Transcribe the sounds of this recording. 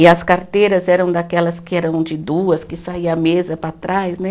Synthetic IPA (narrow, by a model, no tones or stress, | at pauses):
ɪɐskaɾt̪ejɾɐzɛɾɐ̃w̃d̪akɛlɐskɪɛɾɐ̃w̃d͡ʒɪd̪uɐskɪsaiɐmezɐpɾat̪ɾajsnɛ